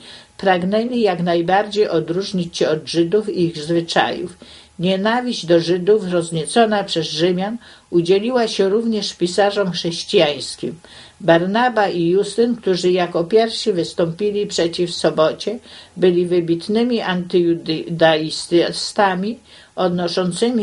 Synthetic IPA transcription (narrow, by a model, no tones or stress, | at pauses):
pɾaɡnɛlʲijaknajbaɾd͡ʑejʔɔd̪ɾuʐɲit͡ɕɕɛɔd̪ʐɘd̪ufiiɣzvɘt͡ʂa̰jṵf | ɲɛnavʲiʑd͡ʑd̪ɔʐɘd̪ufɾɔzɲɛt̪sɔnapʂɛzʐɘmʲjan | ud͡ʑelʲiwaɕɛɾuvɲɛʂpʲisaʐɔmxʂɛɕt͡ɕijaj̃skʲim | baɾnabaʔijust̪ɘnkt̪uʐɘjakɔpʲjɛɾfʂivɘst̪ɔmpʲilʲipʂɛt͡ɕifsɔbɔt͡ɕɛbɘlʲivɘbʲit̪nɘmʲiʔant̪ɘjud̪d̪aist̪st̪amʲi | ɔd̪nɔʂɔnt̪sɘmʲi